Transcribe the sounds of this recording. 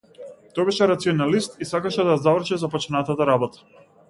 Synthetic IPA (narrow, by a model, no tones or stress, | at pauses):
t̪ɔjbɛʃɛɾat̪siɔnalist̪isakaʃɛd̪ajazavɾ̩ʃɛzapɔt͡ʃnat̪at̪aɾabɔt̪ḁ